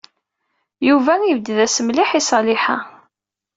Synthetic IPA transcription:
juvæŋivd̪ðæsəmliħisˤɑlɪħa̰

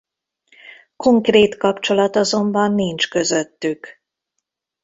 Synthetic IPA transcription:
ko̞ŋkreːt̪kɒpt͡ʃo̞lɒt̪ɒzo̞mbɒnːint͡ʃkø̞zø̞t̪ːyk

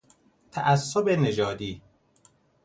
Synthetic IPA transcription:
t̪ʰæʔæsːobened͡ʒɒːd̪iː

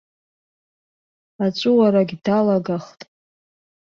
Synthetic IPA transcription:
at͡ʃʷʼʊwaɾaɡʲdalaɡaχtʼ

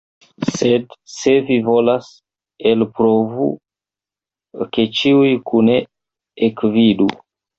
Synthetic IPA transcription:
sedse̞vivo̞las | elpɾovṵ | ke̞t͡ʃiujkʰune | ekvidu

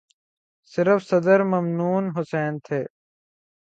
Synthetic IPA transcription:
sɪɾəfsɐd̪əɾmɐmnuːnɦʊsɛːnt̪ʰeː

